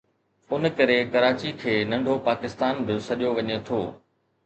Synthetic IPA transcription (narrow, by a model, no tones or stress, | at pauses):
ʊnkɐɾekɐɾaːt͡ɕikʰeːnɐ̃ɳɖʱopaːkɪst̪aːnbɪsɐʄjoʋɐɲet̪ʰoː